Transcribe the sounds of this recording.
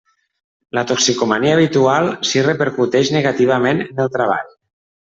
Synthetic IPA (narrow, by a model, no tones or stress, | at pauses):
lət̪oksikomaniaːβit̪ualˠsirəpəɾkut̪ɛʃnəɣat̪iβ̞amenənəlˠt̪ɾaβa̰ʎ